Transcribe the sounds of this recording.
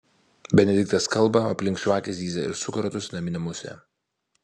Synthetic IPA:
bʲɛnʲɛd̪ʲɪk̚t̪ɐskɐlˠˑbɐɐpʲlʲɪŋkʃʲʋɑːkʲɛsʲd̪ʲiːzʲɛɪ̰ɾsʊkɐɾɐt̪ʊsʲnɐmʲɪnʲɛmʊsʲɛ̰

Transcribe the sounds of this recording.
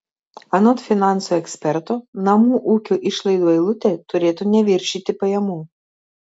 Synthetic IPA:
ɐnot̪fʲɪnɑˑnsuːɛksʲpʲɛɾt̪oːnɐmuːʔuːkʲuːʔɪʃlˠɐɪd̪oːɪlˠʊt̪ʲeːt̪ʊɾʲeːt̪unʲɛʋʲɪɾʲʃʲiːt̪ʲɪpɐjɛmuː

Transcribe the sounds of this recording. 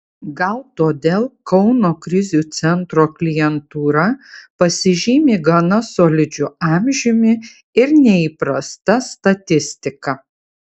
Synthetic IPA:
ɡɐlˠt̪oːd̪ʲeːlˠkɒʊnoːkɾʲɪzʲuːt̪sʲɛnt̪ɾoːklʲɪjɛnt̪uːɾɐpɐsʲɪʒʲiːmʲeːɡɐnɐsoːlʲɪd͡ʒʲʊɑmʲʒʲɪmʲɪ | ɪɾnʲɛiːpɾɐst̪ɐst̪ɐt̪ʲɪsʲt̪ʲɪkɐ

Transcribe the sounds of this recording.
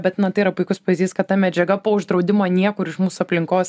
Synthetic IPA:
bʲɛt̪nɐt̪ɐɪiɾɐpʊɪkʊspɐʋʲiːzʲd̪ʲiːskɐt̪̚t̪ɐmʲɛd͡ʒʲɛɡɐpoːʊʒd̪ɾɒʊd̪ʲɪmoːnʲiɛkʊɾɪʃmuːsʊɐpʲlʲɪŋkoːs

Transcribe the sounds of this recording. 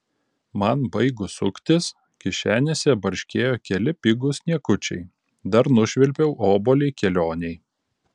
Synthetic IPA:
mɐnbɐɪɡʊsʊkʲt̪ʲɪs | kʲɪʃʲæːnʲesʲɛbɐɾʲʃʲkʲeːjoːkʲɛlʲɪpʲɪɡʊsnʲiɛkʊt͡ʃʲɛ̰ɪ | d̪ɐɾnʊʃʲʋʲɪlʲpʲɛʊʔoːboːlʲeɪkʲɛlʲoːnʲɛɪ

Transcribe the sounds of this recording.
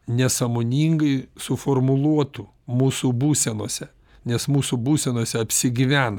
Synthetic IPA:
nʲɛsɐmoːnʲiːŋɡɐɪsʊfoːrmʊlˠuɔt̪ʊ | muːsubuːsʲɛnuɔsʲɛ | nʲɛsmuːsubuːsʲɛnuɔsʲɛɐpʲsʲɪɡʲɪʋʲæːnɐ

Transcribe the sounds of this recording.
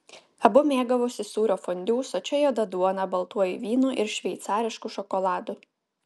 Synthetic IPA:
ɐbʊmʲeːɡɐʋoːsʲɪsuːɾʲoːfɔnʲd̪ʲuːsɔt͡ʃʲɛjoːd̪ɐd̪uɔnɐbɐlˠt̪uɔjiʋʲiːnuːʔɪɾʃʲʋʲɛɪt̪sɑːɾʲɪʃkuʃɔkɔlˠɑːd̪ʊ

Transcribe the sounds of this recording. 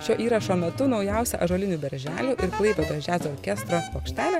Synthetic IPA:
ʃʲoːʔiːɾɐʃoːmʲɛt̪ʊnɒʊjɛˑʊsʲɛʔɐʒoːlʲɪnʲuːbʲɛɾʲʒʲæːlʲuːʔɪɾklˠɐɪpʲɛd̪od͡ʒʲæːzʲoːɾʲkʲɛst̪ɾospoːkʃʲt̪ʲæːlʲɛ

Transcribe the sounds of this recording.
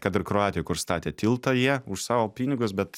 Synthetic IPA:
kɐt̪ɪɾkɾoɑːt̪ʲɪjɛkʊɾst̪ɑːt̪ʲeːt̪ʲɪlˠt̪ojiɛʊʃsɑːʋoːpʲiːnʲɪɡʊsbʲɛt̪

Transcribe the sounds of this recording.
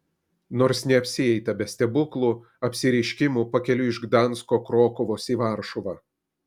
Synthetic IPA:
noːɾsnʲɛɐpʲsʲɪɛɪt̪ɐbʲɛsʲt̪ʲɛbʊklˠuː | ɐpʲsʲɪɾʲɛɪʃʲkʲɪmuːpɐkʲɛlʲʊɪʒɡd̪ɑnˑskoːkɾoːkʊʋoːsiːʋɑˑɾʃɔʋɑː

